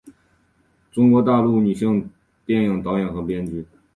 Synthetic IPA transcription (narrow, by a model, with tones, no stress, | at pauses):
ʈ͡ʂʊ˥ŋkwɔ˧˥t̪a˥˧lu˥˩ny˨˩ɕɤ˥˧ŋ | t̪jɛ˥˩njɤ˨˩ŋt̪ɑ˧˥ʊjɛ˨˩nxɤ˧˥pjɛ˥nt͡ɕy˥